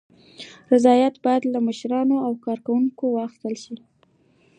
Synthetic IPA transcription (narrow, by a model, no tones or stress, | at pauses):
ɾɪzɑjat̪bɑjad̪laməʃɾɑnoawkɑɾkawuŋkowɑxɪ̥st̪əlʃi